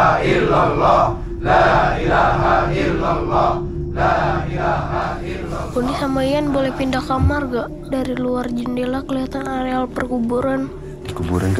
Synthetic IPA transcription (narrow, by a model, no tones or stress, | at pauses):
ilalɔ | ailaɦall | a | konisamaijanbolɛhpindakamarɡaʔ | daɾiluard͡ʒəndelakəliɦat̪anaɾealpərkubuɾan | kubuɾank